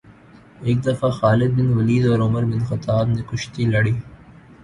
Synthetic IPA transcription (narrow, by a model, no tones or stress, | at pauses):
eːk̚d̪ɐfaxaːlɪd̪̚bɪnʋɐliːd̪ɔːɾʊməɾbɪnxɐt̪aːbnekʊʃt̪ilɐɽiː